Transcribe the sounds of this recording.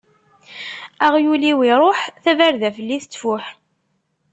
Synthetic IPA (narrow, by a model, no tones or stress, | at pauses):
aʁjuliwiɾˤoħθævæɾðæfəlːiθət͡sːfʊħ